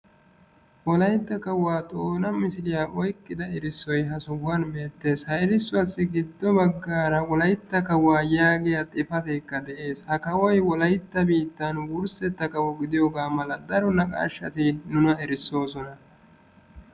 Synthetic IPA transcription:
wɔlɐjt̪ːɐkɐwːaːt̪ʼo̞ːnɐmɪsɪlɪjaːʔɔjkːɪd̪ɐɪɾɪsːɔjɦɐsʊwːɐnbe̞ːt̪ːe̞ːshɐɛɾɪsːʊɐsːɪɡɪd̪ːɔbɐɡːaːɾɐwɔlɐjt̪ːɐkɐwːaːjaːɡɪjɐt̪ʼɪfɐt̪ɛkːɐd̪ɛʔe̞ːshɐkɐwɔjwɔlɐjt̪ːɐbiːt̪ːɐnwʊɾsɛt̪ːɐkɐwɔɡɪd̪ɪjoːɡaːmɐlɐd̪ɐɾɔnɐkʼa̰ːʃːɐt̪ɪnʊnɐɛɾɪsːo̞ːsɔnɐ

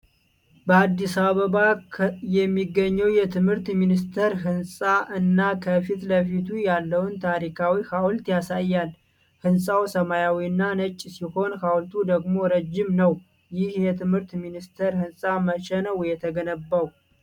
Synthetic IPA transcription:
bəad̪ːisaβəβajɛmːiɡːəɲːəwjɛt̪ʰɨmhɨɾt̪minist̪ʰəɾɦɨnsʼaʔɨnːakʰəfit̪ləfit̪ʰujalːəwnt̪ʰaɾikʰawihawlt̪jasajːal | hɨnsʼawsəmajawiɨnːanət͡ʃʼːsiho̞nhawlt̪ʰud̪əɡmo̞ɾəd͡ʒːɪmnəw | jɪhjɛt̪ʰɨmhɨɾt̪minist̪ʰəɾhɨnsʼaməʃɛnəwjɛt̪ʰəɡənəbːaw

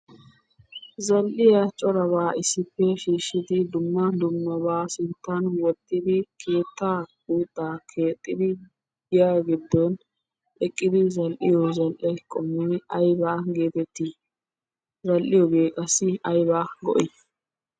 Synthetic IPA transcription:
zɐlʔɪjɐt͡ʃʼɔɾɐβaːɪsːɪpːɛʃiːʃɪd̪ɪd̪ʊmːɐd̪ʊmːɐbaːsɪnt̪ːɐnwɔt̪ʼːɪd̪ɪkʰe̞ːt̪ːaːɡuːt̪ʼːaːkʰe̞ːt̪ʼːɪd̪ɪ | ɪjaɡɪd̪ːon | ɛkʼːɪd̪ɪzɐlʔɪ̰jɔzɐlʔɛkʼɔmɛɐjbaːɡe̞ːt̪ɛt̪ːiː | zɐlʔɪjɔɡe̞ːkʼɐsɪɐjbaːɡɔ̰ʔɪ

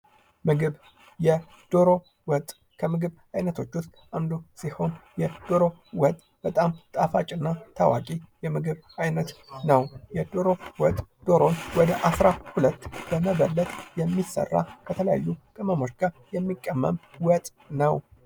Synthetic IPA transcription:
mɨɡɨβ | jɛ | d̪̥oɾo̞ | wɔt̪ʼː | kʰəmɨɡɨβ | ajnət̪ʰo̞t͡ʃːʊst̪ʔand̪usiho̞njɛd̪̥oɾo̞wɔt̪ʼ | b̥ət̪ʼamt̪ʼafat͡ʃʼɨnːat̪ʰawa̰kʼijɛmɨɡɨβajnət̪nəwjɛd̪oɾo̞wɔt̪ʼd̪̥o̞ɾo̞nwɔd̪əʔasɾahulət̪ːb̥əməβəlːət̪ʼjɛmːisə̰rːa̰kʰət̪ʰələja̰jːukʼɨməmo̞t͡ʃːɡajɛmːikʼːəmːə̰mwɔt̪ʼ | nəw

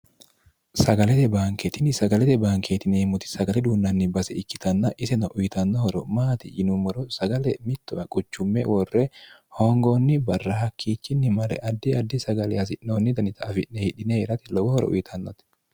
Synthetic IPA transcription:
sɐɡɐlɛt̪ɛbaːŋket̪ɪnɪsɐɡɐlɛt̪ɛbaːŋkeːt̪ɪneːmʊt̪ɪ̥sɐɡɐlɛd̪uːnːɐnːɪbɐsɛɪkːɪ̥t̪ɐnːɐʔɪsɛnɐʔʊjɪt̪ɐnːɔhɔɾɔ̰maːt̪ɪjɪnʊmɔɾɔsɐɡɐlɛmɪt̪ːɔɐkʼʊt͡ʃːʊmːɛ̰wɔrːɛhoːŋɡoːnːɪbɐrːɐhɐkʰːiːt͡ʃːɪnːɪmɐɾɛ̰ʔɐd̪ːɪɐd̪ːɪsɐɡɐlɛhɐs̬ɪʔːoːnːɪd̪ɐnɪt̪ɐːfɪʔnɛhɪᶑɪneːɾɐt̪ɪlɔbɔhɔɾɔ̰ʔʊ̰jɪt̪ʰɐnːɔt̪ɪ̥

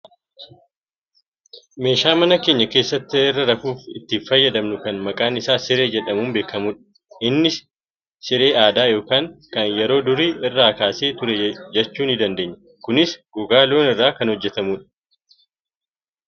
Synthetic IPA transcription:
me̞ːʃaːmɐnɐke̞ːɲːɐke̞ːsːɐt̪ːɪɛrːɐɾɐfuːfɪt̪ːɪfɐjːɐd̪ɐmnʊkɐnmɐkʼaːnɪsaːsɪɾe̞ːd͡ʒɛᶑɐmuːmbeːkʰːɐmuːᶑɐ̥ | ɪnːɪs | sɪɾe̞ːaːd̪aːjo̞ːkaːŋkɐnjɛɾo̞ːd̪ʊɾiːɪrːaːkaːseːt̪ʊɾɛd͡ʒɛt͡ʃːuːnɪd̪ɐnd̪e̞ːɲːɐ̥ | kʊnɪsɡʊɡaːlo̞ːnɪrːaːkɐnhɔd͡ʒːɛt̪ɐmuːᶑɐ̥

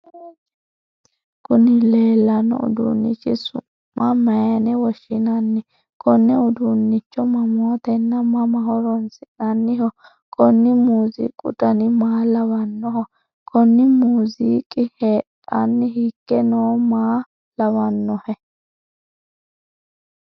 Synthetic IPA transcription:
kʊnɪleːlːɐnɔ̰ʊ̰d̪ṵnːɪ̰t͡ʃːɪsʊmːɐmɐjɐnɛwɔʃːɪnɐnːɪ | kʰɔnːɛʊd̪unːɪt͡ʃːɔmɐmoːt̪ɛnːɐmɐmɐhɔɾɔnsɪʔnɐnːɪhɔ | kʰɔnːɪmuːzḭːkʼːʊ̰t̪ɐnɪmaːlɐwɐnːɔhɔ | kʰɔnːɪmuːziːkʼɪheːtʼːɐnːɪɦikːɛnoːmaː | lɐwɐnːɔhɛ

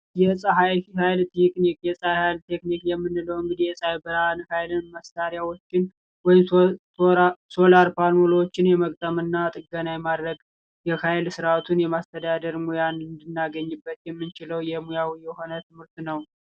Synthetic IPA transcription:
jɛsʼəɦajhajlt̪nikʼnikjɛsʼajhajlt̪ʰe̞knikjɛmːɨnːɨləwɨŋɡɨd̪ijɛsʼajbəɾanhajlɨnməst̪aɾjawo̞t͡ʃːɪn | wɔjɪm | so̞laɾpʰalolot͡ʃːɪnjɛməkʼt̪ʼəmɨnːat̪ʼɨɡənajɛmad̪ɾəɡ | jɛkajɪlsɨɾat̪ʰunjɛmast̪ʰəd̪ad̪əɾmujanɨnd̪ɨnːaɡəɲːɨbːət̪jɛmːɨnt͡ʃɪləwjɛmujawjɛho̞nət̪ʰɨmhɨɾt̪nəw

